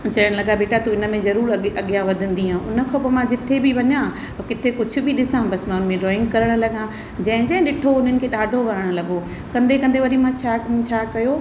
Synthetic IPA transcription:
t͡ɕɐəɽ̃lɐɡabeːʈat̪uɪnə̆mẽzɐɾuːɾɐɠijãʋɐd̪ʱə̃n̆d̪iɦãːʔʊnə̆kʰopomãd͡ʑɪt̪ʰebʱiʋɐɲã | kɪt̪ʰekʊd͡ʑʱʊ̆bʱiɗɪsãbɐsmãʊnə̆mẽɖɾɔːɪ̃ŋɡ̚kɐɾəɽ̃lɐɠã | d͡ʑɐ̃ɦɪ̃d͡ʑɐ̃ɦɪ̃ɗɪʈʰoʊn̤ənɪ̆kʰeːɗaːɖʱoʋɐɾəɽ̃̆lɐɠo | kɐ̃nd̪ʱekɐ̃nd̪ʱeʋɐɾimãt͡ɕʰaːũt͡ɕʰaːkɐjoː

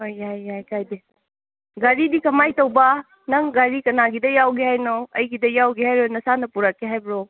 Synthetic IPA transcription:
hojajajkajde | ɡaɾidikɐmajtɐwbɐ | nɐŋɡaɾikɐnaɡidɐjawɡehajnoɐjɡidɐjawɡeɦajɾojnɐsanɐpuɾakːeɦajbɾo

